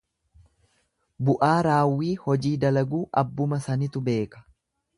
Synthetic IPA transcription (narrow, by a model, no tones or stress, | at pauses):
bʊʔaːɾaːwːiːhɔd͡ʒiːd̪ɐlɐɡuːʔɐbːʊmɐsɐnɪt̪ʊbe̞ːkɐ̥